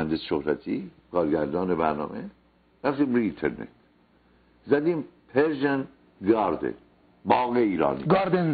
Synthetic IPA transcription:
ænd̪esʃohɾæt̪ʰḭːkʰɒːɾɡæɾd̪ɒːnebæɾnɒ̰ːme | ɾæft̪iːmɾuint̪ʰḛɾnḛt̪ | zæd̪iːmpʰeɾʒæn | ɡɑːɾd̪ḛ | bɒːɣiiːɾɒ̰ːniɡɑɾd̪en

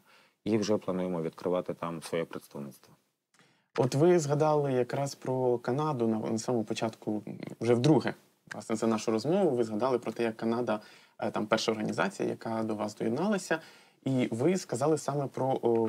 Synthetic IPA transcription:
iwʒɛplˠɐnujemɔʋʲid̪̚kɾɪʋɑt̪ɪt̪ɑmsʋɔjɛpɾet̪st̪ɐʋnɪst̪ʋɔ | ɔt̪ʋɪzɦɐd̪ɑlˠɪjɐkɾɑspɾɔkɐnɑd̪ʊnɐnɐsɑmɔmɔpɔt͡ʃɑt̪kʊwʒɛwd̪ɾuɦɛ | ɑsnɛt̪ɛnɑʃʊɾɔzmɔʋʊʋɪzɦɐd̪ɑlˠɪpɾɔt̪ɛjɐkːɐnɑd̪ɐ | t̪ɑmpɛrʃɐɔrɦɐnʲizɑ̰t͡sʲḭjɐ̰jɐ̰kɑd̪ɔʋɑsd̪ɔjɛd̪nɑlˠɐsʲɐ | iʋɪskɐzɑlˠɪsɑmɛpɾɔ

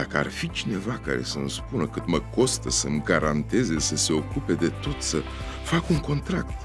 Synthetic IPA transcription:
d̪akəa̰rfit͡ʃine̞vaka̰ɾe̞̰səmspunəkɨt̪məko̞st̪əsəmɡaɾant̪e̞zesəse̞o̞kupe̞d̪e̞t̪o̞t̪sə | fakuŋko̞nt̪ɾa̰k̚t̪

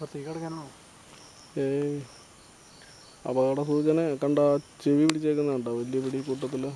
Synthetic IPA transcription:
pt̪ːikːɐɽɐkʲːɐno | e | ɐ̰bɐɐɽɐsuːt͡ɕɐnekɐɳɖat͡ɕeʋipiʈit͡ɕːeːkːunːɐɐɳɖaʋɐlijɐpiɽikuːʈːɐt̪̬ːil

